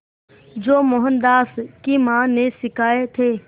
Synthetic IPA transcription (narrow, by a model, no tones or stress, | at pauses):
d͡ʒoːmoɦə̃nd̪aːskimãːnẽsɪkaːet̪ʰeː